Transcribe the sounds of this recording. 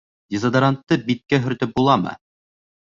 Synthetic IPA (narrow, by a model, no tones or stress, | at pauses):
d̪ʲezad̪ɐɾant̪ːɤbit̪̚kæɦɵ̆ɾt̪ɘp̚bulˠɑmɤ̰